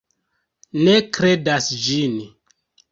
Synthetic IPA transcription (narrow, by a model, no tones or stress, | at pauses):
ne̞kɾe̞dasd͡ʒin